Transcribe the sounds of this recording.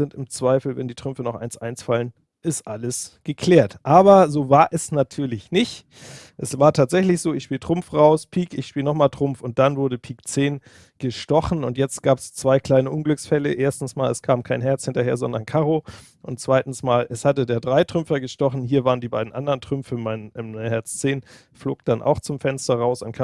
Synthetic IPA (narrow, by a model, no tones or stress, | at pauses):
zɪntɪmt͡sv̥aɪfl̩vɛndiːtʁ̥ʏmfənɔχʔa̰ɪnsʔa̰ɪnsfalən | ʔɪstʔaləsɡ̥əkʰl̥ɛːɐtʔaːbɐzoːvaːɐʔɛsnatʰyːɐlɪçnɪçt | ʔɛsv̥aːɐtʰaːtz̥ɛçlɪçz̥oːɪçʃpiːltʁ̥ʊmfʁaʊspʰiːkɪçʃpiːlnɔχmaːltʁ̥ʊmfʊnt̚d̥anvʊɐɾəpʰiːkt͡seːn | ɡ̥əʃtɔχn̩ʊntjɛt͡stɡ̥aːpst͡sv̥aɪkl̥aɪnəʔʊnɡlʏksfɛlə̰ʔeːɐstn̩smaːlɛskʰaːməmkʰaɪnɦɛɐt͡shɪntɐheːɐzɔndɐnkʰaʁo | ʔʊnt̚t͡sv̥aɪtn̩smaːlʔɛshatədeːɐdʁaɪtʁ̥ʏmfɐɡəʃtɔχn̩ɦiːɐvaːʁəndiːbaɪdn̩ʔa̰ndɐʁntʁ̥ʏmfəmaɪnʔɪmhɛɐt͡st͡seːn | flo̰ːk̚d̥anʔa̰ʊxt͡sʊmfɛnstɐʁaʊsankʰ